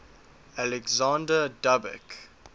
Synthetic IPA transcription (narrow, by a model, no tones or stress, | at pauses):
alɛɡzãndədabɛ̰k